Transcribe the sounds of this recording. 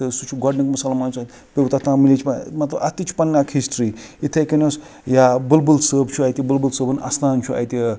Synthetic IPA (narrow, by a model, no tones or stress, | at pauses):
t̪ɨsut͡ʃʰuɡɔɖnɐkmɐsaːlamaːnsʰat̪ | pewt̪at̪ãmilʲit͡ʃʰiamɐt̪lɐɐt̪it͡ʃʰu̥pɐnːakʰisʈɾiit̪ʰekɐnos | jabɨlbɨlsəːbt͡ʃʰuɐjt̪ʲibɨlbɨlsəːbɐna̰st̪ʰaːnt͡ʃʰuɐ̰jt̪i